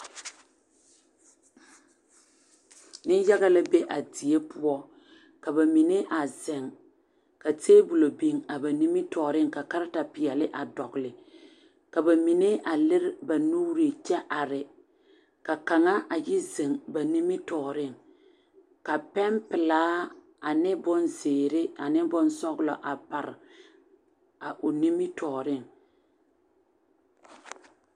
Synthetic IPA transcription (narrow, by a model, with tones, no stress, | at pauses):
nɪ˦ja˦ɣa˦la˦be˦ʔa˨di˨e˦pu˦ɔ˦ | ka˨ba˨mi˨ne˦ʔa˨zɪ˨ŋ | ka˨teː˦bu˨lo˨bi˦ŋa˨ba˨ni˦mɪ˦tɔː˨ɾɪ˦ŋka˨ka˦ɾɪ˦ta˨pɪ˨jɛ˨lɪ˦ʔa˨dɔ˨ɣlɪ˨ | ka˨ba˨mi˨ne˦ʔa˨lɪ˦ɾɪ˦ba˨nu˦ɾi˨t͡ʃɛ˦ʔa˨ɾɪ˨ | ka˨ka˨ŋa˦ʔa˨jɪ˦ze˨ŋba˨ni˦mɪ˦tɔː˨ɾɪ˦ŋ | ka˨pɛ˦mpɪ˨laː˦ | a˨nɪ˦bʊ˦nzeː˨ɾɪ˦a˨nɪ˦bʊ˦nsɔ˦ɣlɔ˨ʔa˨pa˨ɾɪ˨ | a˨ʔʊ˨ni˦mɪ˦tɔː˨ɾɪ˦ŋ